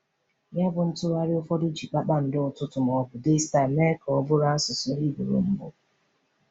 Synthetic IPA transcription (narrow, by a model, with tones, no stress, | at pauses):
ja˦bʊ˨n̩˦tʊ˦ɾa˦ɾɪ˦ʊ˦fɔ˦di˦d͡ʒi˨k͡pa˦k͡pa˦n̩˨dɪ˦ʊ˨tʊ˦tʊ˨m˨ɔ˨bʊ˨de˦sta˨mɛ˦kɔ˦bʊ˦ɾa˦a˦sʊ˨sʊ˦ɾi˦bu˨ɾo̰˨m̩˦bʊ̰˦